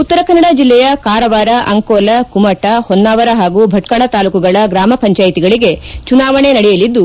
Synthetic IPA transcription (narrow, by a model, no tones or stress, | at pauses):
ut̪ːɐɾɐkɐnːɐɽad͡ʒilːɛjɐkaːɾɐʋaːɾɐʔɐŋkoːlɐkumɐʈɐhonːaːʋɐɾɐɦaːɡubʱɐʈkaɭɐt̪aːlukuɡɐɭɐɡɾaːmɐpɐɲt͡ʃaːjit̪iɡɐɭiɡe̞t͡ʃunaːʋɐɳe̞nɐɽɛjɐlid̪ːu